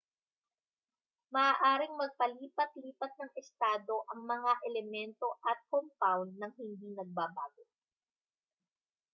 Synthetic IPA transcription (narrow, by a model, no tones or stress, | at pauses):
mɐʔaːʔaːɾɪŋmɐɡ̚pɐliːpɐt̪liːpɐt̪̚nɐŋɪst̪aːd̪o̞ʔɐŋmɐŋaʔɛlɛmɛnt̪o̞ʔɐt̪̚kompawnd̪ːɐŋhɪnd̪iːnɐɡ̚babaːɡo